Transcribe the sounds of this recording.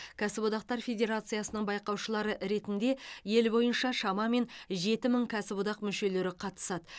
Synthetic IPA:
kʲʰæsɪbod̪ɑq̚t̪ɑɾfʲe̞dʲe̞ɾat̪sɨjasənəɴbɑjqɑwʃəlˠɑɾəʔɾe̞t̪ɪnd̪e̞je̞lbo̞jənʃɑʃɑmɑme̞nʒe̞t̪ɪməɴkʲʰæsɪbod̪ɑqmʏʃe̞le̞ɾɪqʰɑt̪ə̥sɑd̪ə

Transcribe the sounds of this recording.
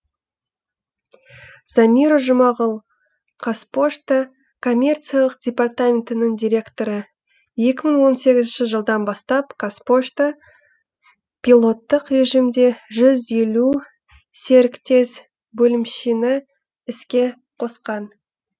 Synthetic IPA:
z̥amʲiɾoʒʊmɑʁəlˠ | qʰaspo̞ʃt̪ə | kʰo̞mʲe̞rt̪sɨjalˠəq̚dʲe̞part̪amʲe̞nt̪ɪnəɴd̪ʲijɾʲe̞kt̪o̞ɾə | je̞kʲɪməɴwo̞nse̞ɡʲɪzɪnʃɪʒəlˠd̪ɑnbɑst̪ɑpkʰaspo̞ʃt̪ə | pʰʲilˠo̞t̪ːəqre̞ʒimd̪e̞ʒʏze̞lu | se̞ɾɪkt̪ʰe̞s | bɵlɪmʃinɪ | ɪskʲe̞ | qʰo̞sqɑn

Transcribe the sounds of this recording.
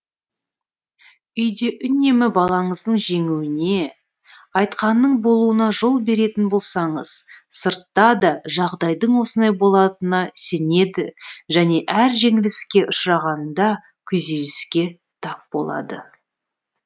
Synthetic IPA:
ʏjd̪eʔʏne̞mɪbɑlˠɑɴəzd̪əɴʒe̞ŋuwɪne̞ | ɑjt̪qɑnːəɴbo̞lˠuənɑʒo̞lˠbe̞ɾe̞t̪ɪnbo̞lˠsɑɴəz̥səɾt̪ːɑd̪ɑʒɑʁd̪ɑjd̪əɴwo̞sənd̪ɑjbo̞lˠɑt̪ənɑse̞ne̞d̪ɪʒæne̞ʔæɾʒe̞ŋɪlɪskʲe̞ʔʊʃɾɑʁɑnd̪ɑ | kʲʰʏze̞lɪskʲe̞ | t̪ʰɑp̚b̥o̞̰lˠɑ̰d̪ə̰

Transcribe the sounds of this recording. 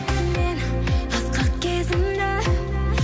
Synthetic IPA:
menʰ | ɑsqɑqkʲezɪmd̪e

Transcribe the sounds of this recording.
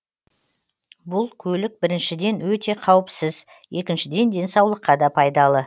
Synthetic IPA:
bʊlˠkʲʰɵlɪk̚bɪɾɪnʃɪd̪e̞nwɵt̪e̞qʰɑwəpsɪz | je̞kʲɪnʃɪd̪e̞nd̪e̞nsɑwlˠəqːɑd̪ɑpʰɑjd̪ɑlˠə

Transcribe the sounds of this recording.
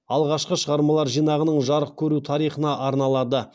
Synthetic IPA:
ɑlˠʁɑʃqəʃəʁɑɾmɑlˠɑɾʒijnɑʁənəɴʒɑɾəq̚kʲʰɵɾut̪ʰɑɾijχənɑʔɑɾnɑlˠɑd̪ə

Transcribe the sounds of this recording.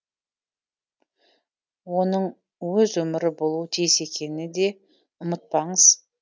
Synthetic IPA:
wo̞nəɴ | wɵzwɵmɪɾɪbo̞lˠuət̪ʰijɪse̞kʲe̞nɪd̪e̞ | ʊmət̪̚pɑɴəz̥

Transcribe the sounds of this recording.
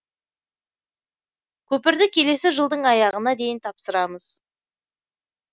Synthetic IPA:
kʲʰɵpɪɾd̪ɪkʲʰe̞le̞sɪʒəlˠd̪əɴɑjɑʁənɑd̪e̞jɪnt̪ʰɑpsəɾɑməz̥

